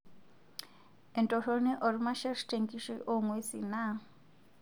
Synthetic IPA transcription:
ɛ˨ntʼɔro˦ni˦ʔo˨ɾi˦ma˦ʃɛ˦ʂi̥˦tʼeŋɡi˦ʃi˦ʔo˦ŋwe˦sina˦˨

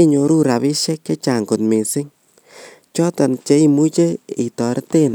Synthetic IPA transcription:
e˦ɲo˨ɾu˦ɾa˨βi˦ʃɛ˦kt͡ʃe˦t͡ʃa˨ŋɡo˨tme˨sɪ˦ŋ | t͡ʃɔ˦ta˨nt͡ʃe˦i˦mu˦t͡ʃe˦i˨tɔ˨ɾɪ˦te˦n

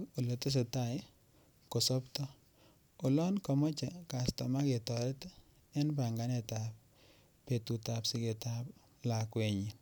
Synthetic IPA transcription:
o˨lo˨to˦s̬e˨ta˨j | ko˨sɔ˦ptɔ˦ | o˨lɔ˦nkɔ˨mɔ˦t͡ʃa˨ka˨sta˨ma˦ke˨tɔ˨ɾɛ˦t | e˦npa˨ŋɡa˨˦ne˨ta˨p̚ | pe˨tu˨ta˨psi˦ke˨tap | la˨kwe˨ɲi˨

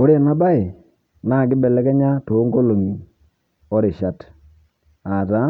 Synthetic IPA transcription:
o˦ɾe˨na˦ba˦ɪ˨ | na˦˨ɡɪ˦bɛ˨lɛ˦kɛ˦ɲa˦to˨˦ŋɡo˦lo˨ni˨ | ɔ˦ɾɪ˨ʃa˦t | a˨ta˨˦

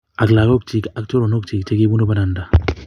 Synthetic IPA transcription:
a˨kla˨ɡo˦k̚t͡ʃi˨ka˦k̚t͡ʃo˦ɾo˨no˦k̚t͡ʃi˨k̚t͡ʃe˦ɡi˦bu˦no˦ba˦na˨nda˨

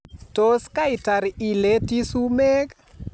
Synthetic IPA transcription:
to˦ska˦ɪ˨ta˨ɾi˨le˦ti˦su˦me˦k

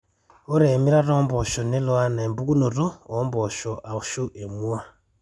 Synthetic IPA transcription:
o˦ɾe˨mi˦ɾa˦ɾoː˦mbo˨ʃo˨ne˦lo˦a˦na˨e˨mbu˦ku˦no˨tu˦o˨˦mbo˨ʃo˨ʔa˨u˨ʃo˦ʔe˨mu˦wa˦

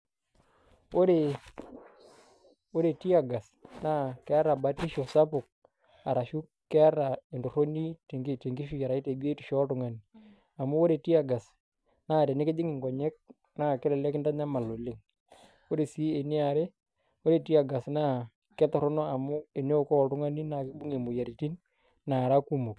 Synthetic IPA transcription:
o˦ɾe˨ | o˦ɾe˨ti˦a˨ɡa˨s | na˦kɛ˦a˦ɾa˨ba˨ti˦ʃɔ˨sa˦pʊ˨k̚ | a˨ɾa˨ʃu˦ | kɛ˦ɾa˨ɪ˨ndʊ˨ɾo˦ni˦˨te˨ŋɡɪ˦ʃu˦a˨ɾa˨i˦te˨bi˦e˦ti̥˨ʃɔ˦tʊ˨ŋa˨ni˨ | a˨mʊ˦o˦ɾe˨ti˦a˨ɡa˨s | naː˦˨tɛ˨nɪ˦kɪ˦d͡ʒɪ˦ŋɪ˨ŋɡɔ˨ɲɛ˦k̚ | na˦kɪ˦lɛ˨lɛ˦kɪ˦nda˦ɲa˦ma˨lo˨le˦ŋ | o˦ɾe˨si˨˦e˨ni˦a˨ɾe˦ | o˦ɾe˨ti˦a˨ɡa˨sna˦ | kɛ˦tɔ˨ɾɔ˦nɔ˦a˨mʊ˦e˨ne˦o˨kɔ˦˨tʊ˦ŋa˦ni˦na˨kɪ˦bu˦ŋe˨mʊ˨ja˨ɾi˨ti˦n | na˨ɾa˦ku˦mu˨k

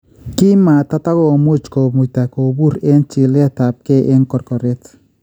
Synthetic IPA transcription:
ki˦ma˨ta˦ta˦kɔ˨mu˦t͡ʃko˨mu˨ta˨ko˨bu˦ɾe˦nt͡ʃɪ˨lɛ˦ta˨p̚kɛ˦ʔɪ˦nkɔ˨ɾkɔ˨ɾɪ˦t

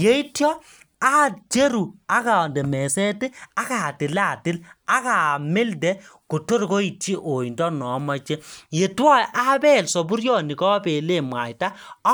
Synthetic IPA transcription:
je˦i˦tjɔ˦ | a˦t͡ʃe˦ɾu˨a˦ka˨ndɛ˨mɛ˨sɛ˦te˦a˦ka˨tɪ˨la˨tɪ˦la˦ka˨me˦ldɛ˦ku˨to˦ɾko˦i˨ti˦ʔo˨jndɔ˦nɔ˨˦ma˨t͡ʃe˦je˨twɔ˦jʔa˦bɛ˦˨lsɔ˨bu˦ɾjɔ˦˨ni˨kɔ˦pe˨le˦˨mwa˨jta˦

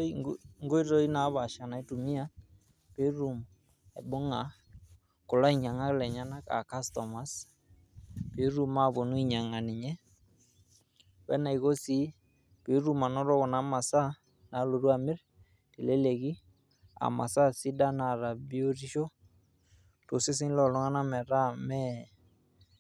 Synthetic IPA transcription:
ŋɡo˦i˦ɾɔ˦i˦na˨˦βa˨ʃa˨na˨i˦tu˨mi˦a˦ | pe˦ɾu˨m | e˨bʊ˦ŋa˨ | kʊ˨la˦i˨ɲa˨ŋa˦lɛ˨ɲa˦na˦ka̰˨ka˦stɔ˨ma˨˦s | pe˨˦ɾu˦ma˦˨bo˨nu˦i˦˨ɲa˨ŋa˨nɪ˨ɲɛ˦ | wɛ̰˦na˨i˨ɣo˦si˨˦ | pɪ˨˦ɾu˦ma˨nɔ˦ɾɔ˦kɔ˨na˨˦ma˨sa˦ | na˨˦lo˨ɾu˦a˨mɪ˦r | ti˨lɛ˦le˨ɡi˦ | a̰˨ma̰˨sa˦si˦da˦na˨ɾa˨bi˦o˦ɾi˦ʃo˦ | tʊ˨sɪ˦s̬ɪ˦ŋlɔ˨lʊ˦ŋa˦na˦mɛ˨ɾa˦mɛ˦

